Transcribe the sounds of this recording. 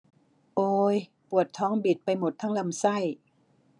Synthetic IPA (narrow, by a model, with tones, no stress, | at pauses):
ʔoː˧j | pu˨˩ət̪ʰːɔː˦˥ŋbi˨˩t̪̚pa˧jmo˨˩t̪ʰːa˥˩ŋla˧msa˥˩j